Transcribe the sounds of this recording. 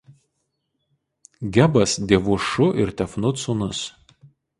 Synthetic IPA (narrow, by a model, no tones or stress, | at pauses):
ɡʲɛbɐsd̪ʲeːʋʊʃʊʔɪɾt̪ʲɛfnʊt̪sʊnʊs